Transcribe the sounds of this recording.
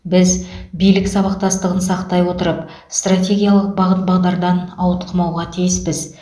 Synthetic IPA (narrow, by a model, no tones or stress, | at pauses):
bɪzbijlɪksɑβɑqt̪ɑst̪əʁənsɑqt̪ɑjwo̞t̪əɾəp | st̪rat̪ʲe̞ɡʲijalˠəq̚bɑʁət̪̚bɑʁd̪ɑɾd̪ɑnɑwt̪əqʰəmɑwʁɑt̪ʰijɪspɪz